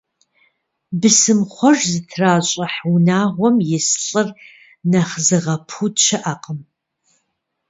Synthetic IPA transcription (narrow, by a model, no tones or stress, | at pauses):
bɨsɨmχʷɔʒzɨtʰraːɕʼɐħwnaːʁʷɔmjɪsɬʼɨr | nɐχzɨʁɐpʰut͡ʃʰɐʔɐqəm